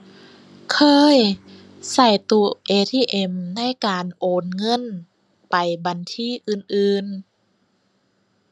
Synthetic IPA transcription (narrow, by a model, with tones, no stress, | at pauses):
kʰɤː˧j | sa˧˩jt̪u˧ʔeː˧t̪ʰiː˧˥˩ʔe˧mna˧˥˨jkaː˨nʔoː˨nŋɤ˧˥˨n | pa˨jba˨nt̪ʰiː˧˥˨ʔɯː˧nʔɯː˧n